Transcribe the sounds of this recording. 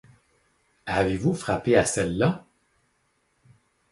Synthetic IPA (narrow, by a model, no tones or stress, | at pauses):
avevufʁapeasɛlːa